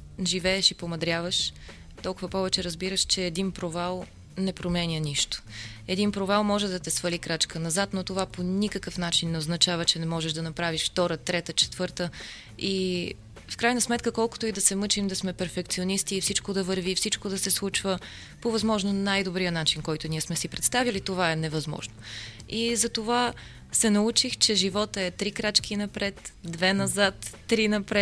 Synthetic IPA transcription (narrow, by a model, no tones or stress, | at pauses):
ʒivɛːʃipomɐd̪ɾʲavəʃ | t̪ɔlˠkʊvəpɔvɛt͡ʃɛɾɐzbiɾəʃt͡ʃɛːd̪inpɾovalˠ | nɛpɾomɛnʲjəniʃt̪o̥ɛd̪inpɾovalˠmɔʒɛd̪ɐt̪ɛsvɐlikɾat͡ʃkənɐzat̪not̪ovaponʲikəkəfnat͡ʃinːɛoznɐt͡ʃavət͡ʃɛnɛmɔʒɛʒd̪ɐnɐpɾaviʃft̪ɔɾət̪ɾɛt̪ət͡ʃɛ̥t̪vɤɾt̪ə | i | fkɾajnəsmɛt̪kəkɔlˠko̥t̪oid̪ɐsɛmɤt͡ʃimd̪ɐsmɛpɛɾfɛkt̪sionist̪iːfsit͡ʃkod̪ɐvəɾvifsit͡ʃkod̪ɐsɛslˠut͡ʃvə | povɐzmɔʒnonajd̪obɾijənat͡ʃinkɔjt̪ʊniɛsmɛsipɾɛt̪st̪avilit̪ovaɛnɛvɐzmɔ̰ʒno | izɐt̪ova | sɛnɐut͡ʃixt͡ʃɛʒivɔt̪əɛt̪ɾikɾat͡ʃkinɐpɾɛt̪d̪vɛnɐzat̪ːɾinɐpɾɛ